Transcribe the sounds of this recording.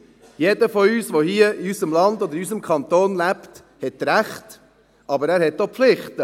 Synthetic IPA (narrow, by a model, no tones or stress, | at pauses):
jedəfɔyːsʋohiːəiysəmlɑndod̪əɾys̬əmkʰɑnt̪oːnlæpt | hɛtɾæχt | ʔɑbəɾæːɾhɛt̚dopflɪχtə